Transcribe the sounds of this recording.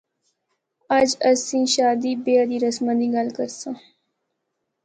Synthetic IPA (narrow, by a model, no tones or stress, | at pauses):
əd͡ʒəsĩːʃaːd̪iːbeːad̪iːɾəsmãːd̪iːɡəlkəɾsãː